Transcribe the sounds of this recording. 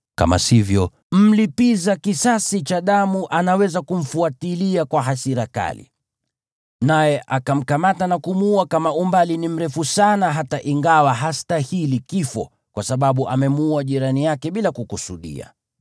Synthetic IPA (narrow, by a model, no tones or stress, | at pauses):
ka̰ma̰sivjɔ | m̩lipizakisasit͡ʃaɗamuʔanawɛzakum̩fuatiliakwaɦasiɾaka̰lḭ | najɛʔakam̩kamatanakumuuakamaumbalinim̩ɾɛfusanaɦataʔiŋɡawaɦastahilikifɔ̰ | kwasaɓaɓuʔamɛmuaʄiɾanijakɛɓilakukusuɗḭa̰